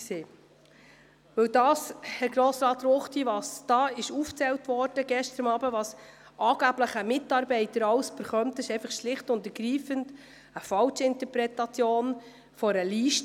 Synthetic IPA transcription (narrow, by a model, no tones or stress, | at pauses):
seː | ʋɵwdɑːshɛɾɡɾoːsɾɑːtɾoχtiʋɑsd̥ɑːɪʃuːft͡sɛltʋɔɾd̥əɡɛʃtəɾəmɑːbəʋɑs | ʔɑːɡ̥æbləχəmɪtːɑːɾbɛɪtəɾɑwsb̥əɾχœmt̪ɪʃɛɪfɑχʃlɪχtʊntəɾɡɾiːfənt | əfɑlt͡ʃɪntəɾpɾɛtɑt͡sjoːn | fɔɾəliːʃt